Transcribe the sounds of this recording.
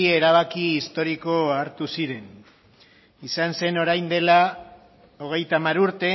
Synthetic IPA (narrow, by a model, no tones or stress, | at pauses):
ieɾaβ̞akiːst̪o̞ɾiko̞aɾt̪usiɾe̞n | isanse̞no̞ɾajnd̪e̞la | o̞ɣ̞e̞jt̪aːmaɾuɾt̪e̞